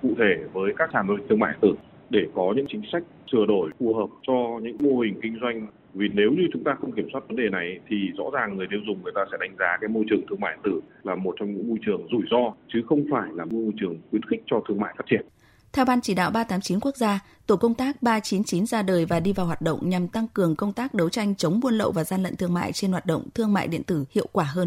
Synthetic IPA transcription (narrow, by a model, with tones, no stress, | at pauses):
kṵ˧˨t̪ʰe˧˩vəː˨˦jkaː˦˥k̚t͡ɕaː˧˩lo˧ŋt̪ʰɨ˧əŋma̰ː˧˨ʔə˨˩t̪ɨ˧˩ | ɗe˧˩kɔ˨˦ɲɨ̰˧˥ŋt͡ɕï˨˦ŋ̟sa˦˥jk̟̚sɨ˧˩əɗo˧˩jfu˨˩ɦəː˨˩p̚t͡ɕɔ˧ɲɨ̰˧˥ŋmo˧hï˨˩ŋ̟kï˧ŋ̟zwa˧jŋ̟ | vi˨˩ne˨˦wɲɨ˧t͡ɕʊ˨˦ŋ͡mt̪aː˧xə˧wŋ͡mki˧˩əmswaː˦˥t̚və˨˦nɗe˨˩na˨˩jt̪ʰi˨˩zɔ̰˧˥zaː˨˩ŋːɨ˨˩əjt̪ʰi˧wzʊ˨˩ŋ͡mŋɨ˨˩əjt̪aː˧sɛ̰˧˥˩ɗa˨˧jŋ̟zaː˨˦kaː˨˦jmo˧jt͡ɕɨ˨˩əŋt̪ʰɨ˧əŋmaː˧˨ʔə˨˩t̪ɨ˧˩laː˨˩mo˨˩t̚t͡ɕɔ˧ŋ͡mɲɨ̰˧˥ŋmo˧jt͡ɕɨ˨˩əŋzu˧˩jzɔ˧t͡ɕɨ˨˦xə˧wŋ͡mfaː˧˩jlaː˨˩mo˧mo˧jt͡ɕɨ˨˩əŋxwi˨˦ənxɪ̈˦˥k̟̚t͡ɕɔ˧t̪ʰɨ˧əŋma̰ː˧˨jfaː˦˥t͡ɕi˧˩ə˨n | t̪ʰɛ˧wɓaː˧nt͡ɕi˧˩ɗa̰ː˧˨wɓaː˧t̪aː˨˦mt͡ɕi˨˦nku˦˥ək̚zaː˧ | t̪o˧˩kə˧wŋ͡mt̪aː˦˥k̚ɓaː˧t͡ɕi˨˦nt͡ɕi˨˦nzaː˧ɗəː˨˩jvaː˨˩ɗi˧vaː˨˩wɦwaː˨˩t̚ɗə̰˧˨wŋ͡mɲa˨˩mt̪a˧ŋkɨ˨˩əŋkə˧wŋ͡mt̪aː˦˥k̚ɗə˨˦wt͡ɕa˧jŋ̟t͡ɕə˨˦wŋ͡mmu˧ənlə̰˧˨wvaː˨˩zaː˧nlə̰˧˨nt̪ʰɨ˧əŋma̰ː˧˨jt͡ɕe˧nhwaː˨˩t̚ɗə̰˧˨wŋ͡mt̪ʰɨ˧əŋma̰ː˧˨jɗḭ˧˨ənt̪ɨ˧˩hḭ˧˨əwkwaː˧˩ɦəː˧n